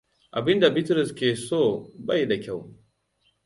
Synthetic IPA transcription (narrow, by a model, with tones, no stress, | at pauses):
ʔa˨bɪ˦nda˨bɪ˦tɾɪ˨skʲeː˨soː˦˨bɐ˦jda˨kʲa˦˨w